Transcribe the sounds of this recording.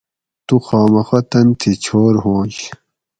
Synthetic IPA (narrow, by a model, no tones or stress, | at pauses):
t̪uxaːmɐxɐt̪ɐnt̪ʰit͡ɕʰoːɾɦõːɕ